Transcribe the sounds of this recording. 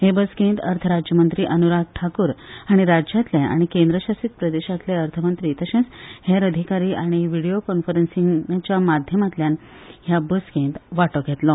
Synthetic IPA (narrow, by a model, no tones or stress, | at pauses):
hebəskẽːnt̪əɾt̪ʰəɾad͡ʑjəmənt̪ɾiːʔənuɾat̪̚ʈʰakuːɾaɽ̃iɾad͡ʑjat̪ljaa̰ɽ̃ikẽnd̪ɾəɕasit̪̚pɾəd̪eɕat̪leəɾt̪ʰəmənt̪ɾiːt̪əɕẽsheɾəd̪ʱikaɾiːaɽ̃iʋiɽijokɔnfəɾensiŋt͡ɕjamad̪ʱjəmat̪ljan | ɦjabəskẽnt̪ʋaʈɔɡʱet̪lɔ